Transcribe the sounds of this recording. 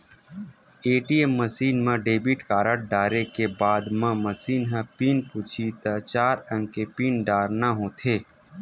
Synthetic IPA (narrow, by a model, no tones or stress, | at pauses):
eːʈiːemːəsiːnmãɖeːbiʈkaːɾəʈ̚ɖaːɾekebaːd̪mãməsiːnɦãpiːnpʊt͡ʃʰit̪at͡ʃaːɾə̃ŋkepiːnɖaːɾnaɦõːt̪ʰeː